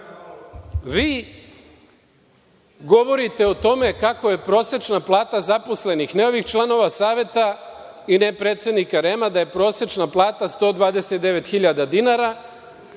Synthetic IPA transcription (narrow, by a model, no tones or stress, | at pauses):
ʋiː | ɡo̞ʋo̞ɾit̪e̞ot̪o̞me̞kako̞je̞pɾo̞ːse̞t͡ʃnaplˠaːt̪azapo̞sle̞nixneo̞ʋixt͡ʃlˠano̞ʋasaːʋe̞t̪a | inepɾeːt̪sje̞d̪nikaɾemad̪aje̞pɾo̞ːse̞t͡ʃnaplˠaːt̪ast̪o̞ːd̪ʋaːd̪e̞set̪̚d̪e̞ʋe̞t̪xiʎad̪ad̪inaɾa